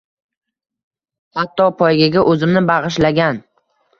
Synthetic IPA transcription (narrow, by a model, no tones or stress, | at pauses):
hat̪ʰːɒpʰɒjɡʲaɡʲaʔɵzɪmnɪbɑʁɨʃ̬laɡʲan